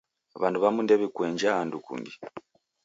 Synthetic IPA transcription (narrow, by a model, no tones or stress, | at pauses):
βanduβamundɛβɛkweːnɲd͡ʒaːndukṵmbi